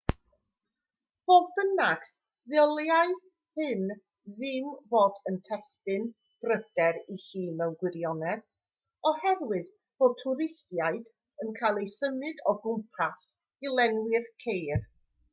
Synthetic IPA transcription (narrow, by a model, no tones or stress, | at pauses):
v̥oːðbənaɡ̥ | ðɪɔlˠjaɨ | hɨn | ðɪmvoːdəntʰɛstɨn | b̥rəd̥ɛɾihiːnɛwɡwɪɾjɔnɛð | ɔhɛrwɨð | v̥o̥tʰʊɾɪstjaɨd | ənkʰajlˠejsəmɨdɔɡʊmpʰas | ilˠɛŋwɪrkʰejr